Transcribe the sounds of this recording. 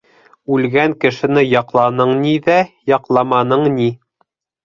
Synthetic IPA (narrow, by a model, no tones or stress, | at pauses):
ʉlɡæŋkɘ̆ʃɘ̆nɘjɑqlˠɑnɤɴniðæjɑqlˠɑmɑnɤɴni